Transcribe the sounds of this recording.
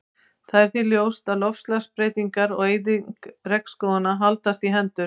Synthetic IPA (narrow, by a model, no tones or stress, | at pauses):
θaðɛɾ̥θiljoːwst̪aðlɔfslaspɾejt̪iŋkaɾɔɣejðɪŋkrɛkskɔːðanaɦalt̪ast̪iɦɛnt̪ʏɾ̥